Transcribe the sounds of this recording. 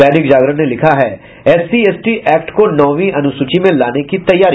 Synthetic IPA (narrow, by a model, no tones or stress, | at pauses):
ɛːnɪkd͡ʒaːɡɾənelɪkʰaɦɛː | ɛːsieːsʈiʔɛːkʈkonɔːʋiɐnʊsuːt͡ʃimẽlaːnekit̪ɐjːaːɾi